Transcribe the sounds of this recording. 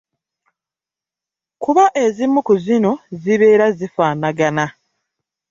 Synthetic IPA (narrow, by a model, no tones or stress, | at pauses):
kuβaʔe̞zimːukuzino̞ziβe̞ːɾazifaːnaɡana